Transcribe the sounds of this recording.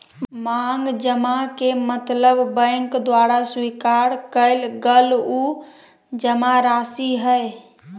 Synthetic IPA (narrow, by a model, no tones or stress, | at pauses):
maŋɡd͡ʒəmakemət̪ləbbə̃ɪŋkd̪waɾaswikaɾkəɪlɡəlu | d͡ʒəmaɾasiɦəj